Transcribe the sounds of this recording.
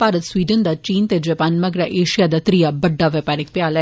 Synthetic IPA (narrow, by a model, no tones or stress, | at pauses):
paːɾɐt̪sʋiːɖənd̪ɐt͡ʃiːnt̪ed͡ʒɐpaːnmɐɡɾɐʔeːʂijaːd̪ɐt̪ɾijabɐɖːaʋɐpaːɾik̚pjaːlɛ